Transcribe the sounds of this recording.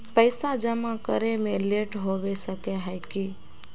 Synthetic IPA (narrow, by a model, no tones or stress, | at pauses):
pəɪsad͡ʒəmãkəɾemẽleʈɦoʋesəkeɦɛjki